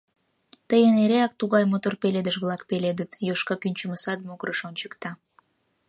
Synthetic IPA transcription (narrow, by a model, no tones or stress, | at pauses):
t̪əjəneɾeɑk̚t̪uɣɑjmot̪orpeled̪əʃβlɑkpeled̪ət̪joʃkɑkynʲt͡ɕəməsɑt̪̚mokɾəʃonʲt͡ɕə̥kt̪ɑ